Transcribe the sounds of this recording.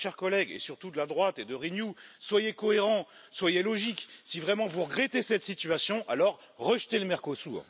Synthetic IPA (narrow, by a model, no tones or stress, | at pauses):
ʃɛʁkɔlɛɡḛsyʁt̪ud̪əlad̪ʁwat̪ed̪əʁinjuswajekɔeʁɑ̃ | swajelɔʒiksivʁɛmɑ̃vuʁəɡʁet̪esɛt̪sit̪ɥasjɔ̃ʔalɔʁː | əʃt̪eləmɛʁkosṵːʁ